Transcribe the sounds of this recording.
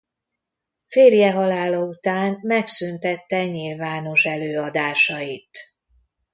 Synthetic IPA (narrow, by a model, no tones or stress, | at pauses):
feːrjɛɦɒlaːlɒut̪aːnmɛksynt̪ɛt̪ːɛɲilvaːno̞ʃɛløːɒd̪aːʃɒjit̪